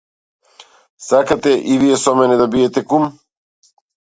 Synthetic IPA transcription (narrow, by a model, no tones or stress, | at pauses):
sakat̪ɛʔivijɛsɔmɛnɛd̪abiɛt̪ɛkum